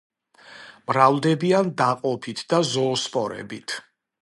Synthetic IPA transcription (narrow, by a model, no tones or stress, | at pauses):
mɾavd̪ɛbiand̪aqʼɔpʰit̪ʰd̪azɔːspʼɔɾɛ̰bit̪ʰ